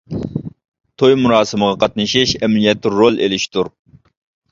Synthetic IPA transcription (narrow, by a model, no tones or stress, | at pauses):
t̪ʰojmunɑːsɨməʁɑqʰɑt̪nɨʃiʃɛmnijɛt̪ʰːɪolˠḛlɪʃt̪uɾ